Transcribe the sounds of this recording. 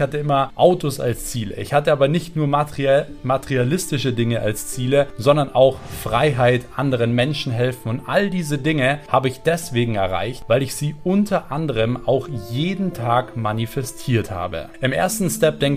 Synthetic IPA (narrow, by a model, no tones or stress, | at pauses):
çhatəɪmɐʔaʊtosa̰lst͡siːlə̰ʔɪ̰çhatəʔaːbɐnɪçtnuːɐ | matɛʁialɪstɪʃədɪŋəʔa̰lst͡siːləzɔndɐnʔaʊxfʁ̥aɪɦaɪtʔandəʁ̞ənmɛnʃn̩ɦɛlfn̩ʊntʔaldiːzədɪŋəhaːbəɪçd̥ɛsv̥eːɡŋ̩ɛ̰ɐʁa̰ɪçtvaɪlɪçz̥iːʔʊntʰɐʔandəʁ̞əmaʊxjeːdn̩tʰaːkmanifɛstʰiːɐtha̰ːbə̰ʔɪmʔḛːɐstn̩stɛp̚d̥ɛŋ